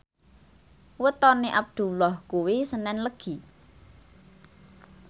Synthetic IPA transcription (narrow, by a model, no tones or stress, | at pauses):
wət̪ɔniʔab̚d̪̥ṳlɔhkuwisənɛnləɡ̥i̤